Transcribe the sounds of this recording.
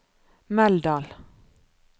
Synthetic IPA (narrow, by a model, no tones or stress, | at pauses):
mɛld̪ɑːl